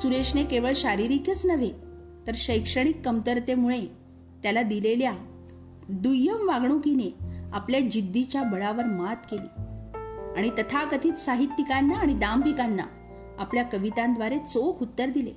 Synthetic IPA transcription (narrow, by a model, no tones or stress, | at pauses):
suɾeʂnekeʋəɭɕaɾiɾikjət͡snəʋe | t̪əɾɕəjkʂəɽ̃ikːəmt̪əɾt̪emuɭe | t̪jalad̪ilelja | d̪ujəmʋaɡɳ̃ũkineapljad͡ʑid̪ʱːit͡ɕjabəɭaʋəɾmat̪kelḭː | aɽ̃it̪ət̪ʰakət̪ʰiːt͡s̪saɦit̪ːikanːaːɽ̃id̪ampikanːa̰ | apljakəʋit̪ãnd̪ʋaɾet͡sokʰut̪ːəɾd̪ilḛ